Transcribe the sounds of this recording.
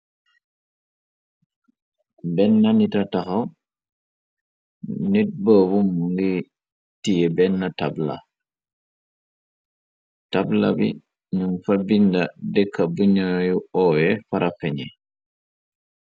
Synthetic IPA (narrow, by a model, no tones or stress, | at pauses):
bɛnːanitataxaw | nit̚bəːbumːuŋɡi | tijebɛnːatabla̰ | tabla̰bḭ | ɲuŋfɐbindɐdɛkʰːɐbuɲajuɔːjɛfɐɾʔafɛɲɛ